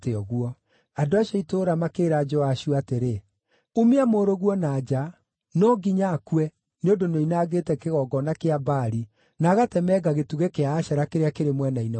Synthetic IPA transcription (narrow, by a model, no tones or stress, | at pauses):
teɔɣuɔ | adoaɕɔitoɾamakeːɾad͡ʒɔaʃjoateɾe | umeamoːɾoɣwɔnaːd͡ʑa | nɔɡiɲakwɛ | neondonoinaɣeːtɛkeɣɔɡɔnakeabaɾi | naɣatɛmɛɡaɣetuɣekeaːɕɛɾakeɾeakeɾemwɛnainɛ